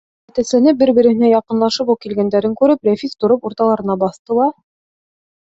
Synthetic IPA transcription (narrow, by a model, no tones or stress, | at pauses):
æt̪æslænɘp̚bɘɾbɘ̆ɾɘ̆hɘ̆næjɑqɤ̆nlˠɑʃɤpukilɡænd̪æɾɘŋkʉɾɘplæfit̪t̪ŏɾɤpuɾt̪ɑlˠɑɾɤ̆nɑbɑθt̪ɤ̆lˠɑ